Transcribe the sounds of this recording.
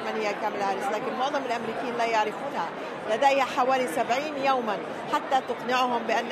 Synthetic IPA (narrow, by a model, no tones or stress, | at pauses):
manhɪjːakaːmɪlhaːɾɪslaːkɪnɪlmʊʕðˤɑmalʔamɾiːkiːnlaːjaʕɾɪfuːnha | lad̪ajhaħawaːlisabʕiːnjawman | ħat̪ːat̪ʊqnɪʕʊhʊmbɪʔanː